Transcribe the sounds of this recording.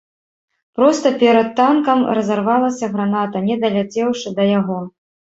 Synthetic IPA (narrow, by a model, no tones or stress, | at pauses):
pɾɔst̪ɐpʲɛɾɐt̪ːankɐmrɐzarvalˠɐsʲɐɣɾanat̪ɐnʲɛd̪ɐlʲat͡sʲɛwʂɨd̪ɐjaɣɔ